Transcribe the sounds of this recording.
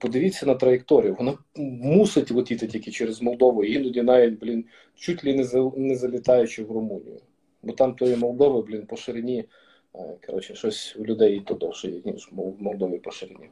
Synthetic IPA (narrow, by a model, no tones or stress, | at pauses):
pɔd̪ɪʋʲit͡sʲːɐnɐt̪ɾɐjek̚t̪ɔɾʲijɐʋɔnɑ | musɪtʲʋʊt̪ʲit̪ɪtʲikʲit͡ʃɛɾezmɔlˠd̪ɔʋʊjinʊdʲinɑjʲinʲblʲin | t͡ʃutʲlʲinɛzɐnɛzɐlʲɪt̪ɑjʊt͡ʃɪwrʊmunʲḭjʊ̰ | bɔt̪ɑmt̪ɔjimɔlˠd̪ɔʋɪblʲinpɔʃɪɾɪnʲi | kɐɾɔt͡ʃnʲɛʃɔsʲwlʲʊd̪ɛjit̪ɔd̪ɔwʒɛjḭnʲiʃmmɔlˠd̪ɔʋʲipɔʃɪɾɪnʲḭ